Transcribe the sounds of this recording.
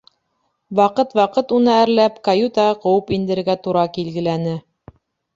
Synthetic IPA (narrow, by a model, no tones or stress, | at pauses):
wɑqɤt̪wɑqɤt̪unɤæɾlæpkɐjut̪ɑqɤ̆wɤpind̪ɘ̆ɾɡæt̪uɾɑkilɡɘ̆lænɘ